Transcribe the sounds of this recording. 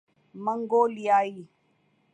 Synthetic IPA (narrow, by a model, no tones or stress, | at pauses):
məŋɡoliai